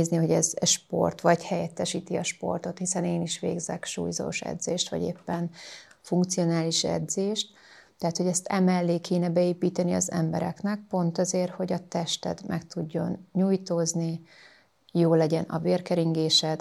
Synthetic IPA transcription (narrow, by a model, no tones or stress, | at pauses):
zniɦo̞ɟɛzɛʃpo̞̰rt̪ʋɒɟhɛjɛt̪ːɛʃiːt̪iɒʃpo̞̰rt̪o̞t̪hisɛneːniʃʋḛːɡzɛkʃṵːjzo̰ːʃɛ̰d̪zeːʃt̪ʋɒ̰ɟḛːpːɛn | fuŋk̚t̪sio̞naːliʃɛ̰d̪zeːʃt̪ː | ɛɦat̪ho̞ɟɛst̪ɛmɛlːeːkʰeːnɛbɛeːpiːt̪ɛniɒzɛ̰mbɛ̰ɾɛ̰knɛk̚po̞nt̪ɒzeːrho̞ɟɒt̪ɛʃt̪ɛ̰d̪mʔɛkt̪uɟːo̞nɲuːjt̪oːzni | joːlɛɟɛnɒ̰veːrkɛɾiŋɡeːʃɛd̪